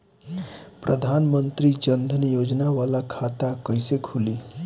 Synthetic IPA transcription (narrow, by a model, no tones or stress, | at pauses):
pɾʔəd̪ʱanmənt̪ɾiːt͡ɕənd̪ʱənjod͡ʑnaʋalakʰat̪akəjsekʰoliː